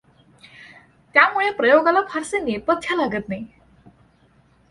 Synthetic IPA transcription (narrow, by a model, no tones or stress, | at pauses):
t̪jamuɭepɾəjoɡalapʰaɾsenepət̪ʰːjalaɡət̪naj